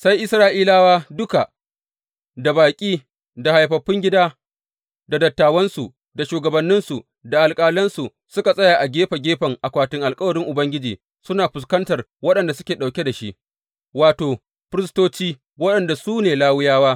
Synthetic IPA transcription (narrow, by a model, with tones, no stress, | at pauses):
sa˦jʔɪ˦sɾaː˦ʔiː˦laː˦waː˦dʊ˦ka˨ | da˨baː˨kʲʼiː˦ | da˨ha˨jɸɐ˨ɸːɪ˦ŋɡʲɪ˦daː˦ | da˨dɐ˨tːaː˨wɐ˦nsu˨ | da˨ʃuː˨ɡɐ˨bɐ˨nːɪ˦nsu˨ | da˨ʔa˨lkʼaː˦lɐ˦nsu˨ | sʊ˦ka˨sʼɐ˦jaː˨ʔa˨ɡʲeː˦ɸa˨ɡʲeː˦ɸɐ˨ŋʔa˨kʷaː˨tɪ˦ŋʔa˨lkʼɐ˦wɐ˨ɾɪ˦ŋʔʊ˨bɐ˦ŋɡʲɪ˦d͡ʒiː˨ | sʊ˦naː˨ɸʊ˨s̬kɐ˦ntɐ˨r | wɐ˦ɗɐ˨nda˨sʊ˦kʲeː˨ɗa˨wkʲe˦da˨ʃi˦ʔ | waː˨toː˨ | ɸɪ˦ɾɪ˦stoː˦t͡ʃiː˦ | wɐ˦ɗɐ˨nda˨suː˦neː˨laː˦wʊ˦jaː˦waː˦